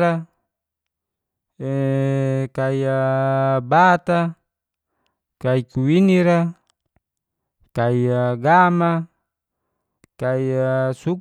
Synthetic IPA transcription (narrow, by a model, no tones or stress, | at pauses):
ɾa | e | kaia | bat̪a | kaikuwiniɾa | kaiaɡama | kaiasu